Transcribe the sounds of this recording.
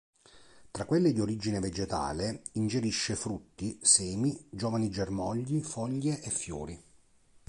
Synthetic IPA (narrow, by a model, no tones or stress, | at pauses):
t̪ɾakːwelːed̪ioɾid͡ʒineved͡ʒet̪a̰ːleind͡ʒeɾiʃːefɾut̪ːisɛːmid͡ʒɔːvanid͡ʒermɔʎːifɔʎːeʔefːjṵːɾi